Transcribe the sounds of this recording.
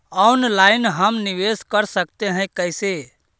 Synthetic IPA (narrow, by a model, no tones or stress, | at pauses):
ɔnlaːɪnɦəmniʋeskəɾsəkt̪eɦə̃jkəɪse